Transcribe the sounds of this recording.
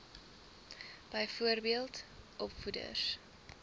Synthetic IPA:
b̥əjfuərbiəlˠtʔɔpfudə̰s

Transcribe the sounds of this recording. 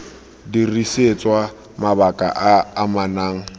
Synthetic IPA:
diriset͡sʼwa | mabakʼa̰ʔaːmanaːŋ̩

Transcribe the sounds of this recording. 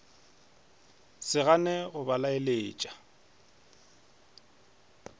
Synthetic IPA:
sɪɣanɛɣʊbalaeleːt͡ʃʼḁ

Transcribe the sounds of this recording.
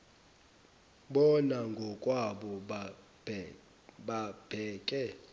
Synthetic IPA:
ɓɔnaŋɡʱɔkʼwaɓɔ | ɓab̥ʱɛːkʼɛ

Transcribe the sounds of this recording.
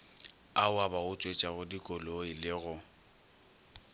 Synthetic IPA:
aʊabaʊt͡sʼwet͡ʃʼaɣʊdikʼɔloɪlɪɣʊ

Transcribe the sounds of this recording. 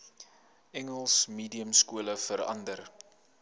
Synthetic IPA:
ɛŋəlˠsmiːdiəmskuələfəɾɐ̰ndər

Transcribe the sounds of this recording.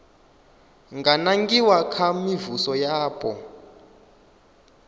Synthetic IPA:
ŋɡanaŋɡiwakʰamivusɔjaːpʼɔ

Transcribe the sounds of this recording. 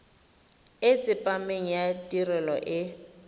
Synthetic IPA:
ɪt͡sʼɪpʼameŋ̩jatʼirɛlɔʔɪ

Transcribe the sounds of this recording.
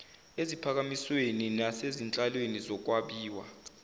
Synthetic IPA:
ezipʰak̬amisweninasezint͡ɬʼalwenizɔk̬waɓiːwa̰

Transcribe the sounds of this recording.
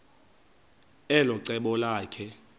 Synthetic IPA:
ɛlɔǀɛɓɔlaːkʰɛ

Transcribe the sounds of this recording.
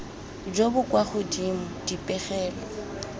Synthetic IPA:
d͡ʒobʊkʼwaχʊdimʊdipʼɛχɛːlɔ

